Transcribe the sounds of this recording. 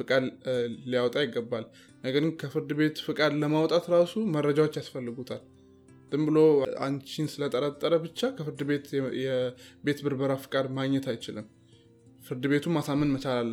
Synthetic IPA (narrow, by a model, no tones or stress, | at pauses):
fɨkʼad̪lijawɔt̪ʼajɪɡːəbːal | nəɡəɾɡɨnkʰəfɨɾd̪ɨβe̞t̪fɨkʼad̪ləmawɔt̪ʼat̪ɾasumərːəd͡ʒawot͡ʃːjasfəlːɨɡut̪ʰal | t̪ɨmbɨlo̞a̰nt͡ʃinsɨlət̪ʼəɾat̪ʼːəɾəbɨt͡ʃːakʰəfɨɾd̪ɨbe̞t̪jɛbe̞t̪bɨɾbəɾafɨkʼad̪maɡɲɛt̪ʰajt͡ʃɪlɨm | fɨɾd̪ɨbe̞t̪ʰumːasamənmət͡ʃalalːə